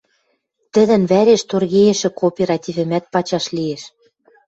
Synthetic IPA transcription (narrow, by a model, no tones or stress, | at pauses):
t̪ɘ̆d̪ɘ̆nβæɾeʃt̪orɣejĕʃɘ̆kopʲeɾɑt̪ʲivɘ̆mæt̪̚pɑt͡ɕɑʃlieʃ